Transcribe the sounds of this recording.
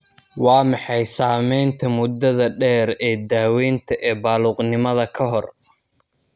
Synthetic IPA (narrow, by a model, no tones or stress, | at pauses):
wɑːmɑħɑjsaːmɛjnt̪ʰɐmʊd̪ɐðɐɖɛːɾɛːd̪aːwɛnt̪ʰɐʔɛːbaːluːqnɪmɐðɐkʰɐɦɔr